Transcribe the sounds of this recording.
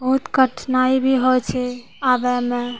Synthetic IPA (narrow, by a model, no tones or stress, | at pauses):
bəɦut̪kəʈʰnaibʱiɦojt͡ʃʰɛ | abɛme